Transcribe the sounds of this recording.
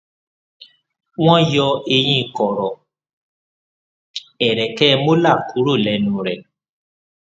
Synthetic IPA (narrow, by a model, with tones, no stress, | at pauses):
w̃ɔ̃˦jɔ˧e˧j̃ĩ˧˦˧kɔ˨ɾɔ˨ | ɛ˨ɾɛ˨kɛ˦˧mo˦la˦˨kʰu˨˦ɾo˦˨lɛ˨˧˦nũ˧ɾɛ˨